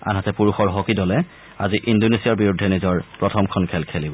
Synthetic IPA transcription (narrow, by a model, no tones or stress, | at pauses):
a̰nɦatɛpuɹuxɔɹɦɔkidɔlɛ | aziʔindonesiaɹbiɹudʱːɛnizɔɹpɹɔtʰɔmkʰɔnkʰɛlkʰelibɔ